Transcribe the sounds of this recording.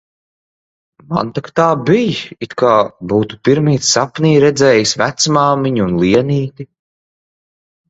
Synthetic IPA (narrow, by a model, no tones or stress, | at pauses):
ma̰nt̪akt̪aːbijit̪kaːbuːt̪u̥piɾmiːt̪ssapniːɾɛd̪zɛːjisvæt̪smaːmiɲunlˠiɛniːt̪i